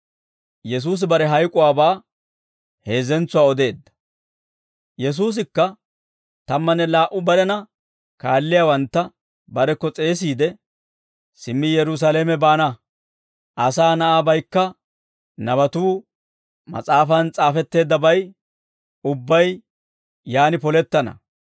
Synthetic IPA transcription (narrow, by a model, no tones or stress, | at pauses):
jɛs̬uːs̬ɪbɐɾɛɦɐjkʼʊwaːbaː | he̞ːzɛnt͡sːʊwaːɔd̪e̞ːd̪ːɐ̥ | jɛs̬uːs̬ɪkːɐ | t̪ɐmːɐnɛlaːʔʊbɐɾɛnɐ | kaːlːɪjaːwɐnt̪ːɐ | bɐɾɛkːɔt͡sʼe̞ːs̬iːd̪ɛ | sɪmːɪjɛɾʊs̬aleːmɛbaːnɐ | ʔɐsaːnɐʔaːbɐjkːɐ | nɐβɐt̪uː | mɐ̰t͡sʼaːfɐnt͡sʼaːfɛt̪ːe̞ːd̪ːɐbɐj | ʊbːɐj | jaːnɪpɔlɛt̪ːɐnɐ̰